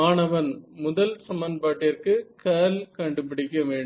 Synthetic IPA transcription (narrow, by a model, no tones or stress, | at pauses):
aːɳɐʋɐnmʊðɐlsɐmɐnpaːʈːɪjɐrkɯkɐːlkɐɳɖɯpɪɽɪkːɐʋeːɳɖ